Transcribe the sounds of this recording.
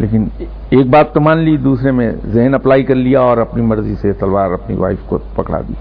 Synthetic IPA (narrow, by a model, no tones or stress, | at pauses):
lḛːkɪn | eːk̚baːt̪ːɐmaːnlid̪uːsɾemḛ̃zɪɦənɐplaːikɐɾlijaɔːɾɐpnimɐɾziset̪ɐlʋaːɾɐpnḭʋa̰ːɪfko̰pɐkɽa̰ːd̪ḭː